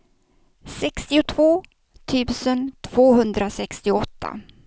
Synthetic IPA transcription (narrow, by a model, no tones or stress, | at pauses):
sɛkst̪ɪʊt̪ʰv̥oː | t̪ʰyːvsənt̪ʰv̥oːɦɵnd̪ɾasɛkst̪ɪɔt̪ʰːa̰